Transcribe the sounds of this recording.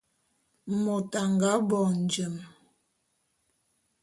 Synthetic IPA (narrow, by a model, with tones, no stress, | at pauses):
mɔ˨ta˨ŋɡa˨˦bɔ˨n̩˨d͡ʒə˨m